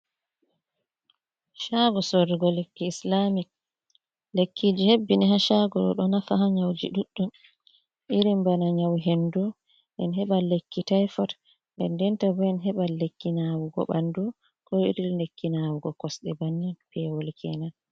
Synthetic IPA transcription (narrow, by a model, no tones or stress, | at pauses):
ʃaɡɔsoɾiɡɔlekːiːslamik̚ | lekːid͡ʒihebːiniɦaʃaɡɔɗɔ̰ɗɔnafaɦaɲawd͡ʒḭɗuɗːum | ʔiɾimbanaɲawɦendɔ | ʔɛnɦɛɓalekːitajfɔt | dɛ̰ndɛntabɔɛnɦɛɓalekːinawuɡɔ̰ɓandɔ | kɔḭɾilnekːinawuɡɔkɔsɗɛbanːipɛwolikʰɛna